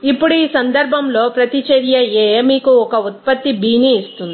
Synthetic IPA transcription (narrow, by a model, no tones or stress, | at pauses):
ipːuɽuiːsɐnd̪ɐɾbʱɐmlo̞ːpɾɐt̪it͡ʃɐɾjɐjeːmiːkuɔkɐut̪̚pɐt̪ːibʱiːniːst̪und̪ii